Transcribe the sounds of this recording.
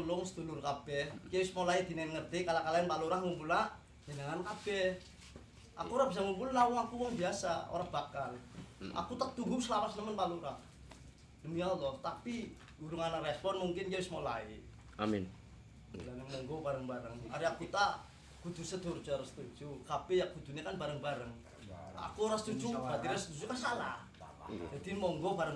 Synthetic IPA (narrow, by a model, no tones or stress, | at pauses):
t̪ulʊŋsət̪ulurkab̥ɛhkewɪsmolaid̪̥i̤nɛnŋərt̪ikalakalaɪnpaluɾahŋumpulna | d͡ʒənəŋankab̥ɛh | ʔa̰kuoɾahb̥isaŋumpulnawɔŋakuwɔŋbiasao̰ɾab̥akalʔa̰kut̪at̪uɡusəlapasnəmənpaluɾah | dəmialɔht̪api | uɾuŋanarɛspɔnmuŋkɪnd͡ʒawismola̰i | amin | danmɔŋɡobaɾəŋbaɾəŋa̰ɾiakut̪a | ɡ̥ud̪̥ṳsəd̪̥ʊrd͡ʒaɾəsə̥t̪u̥d͡ʒ̥ukapejaɡ̥ud̪̥ṳnekanbaɾəŋbaɾəŋ | a̰kuoɾasət̪u̥d͡ʒub̥at̪iɾasət̪ud͡ʒukasala̰h | d͡ʒ̥ad̪imɔŋɡobaɾəŋ